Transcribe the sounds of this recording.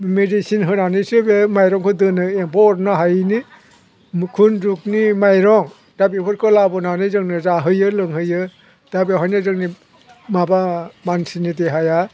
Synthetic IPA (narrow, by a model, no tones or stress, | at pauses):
medisinɦɯnanisɯbemajɾɔŋkʰɯdɯnɯempɔɾnɯɦajni | kʰunduk̚nimajɾɔŋ | d̥abipʰɔɾkʰɯlabɔnanɯzɯŋnɯzaɦɯjɯlɯŋɦɯjɯ | d̥abeɦɔjnɯzɯŋni | mabamansinideɦaja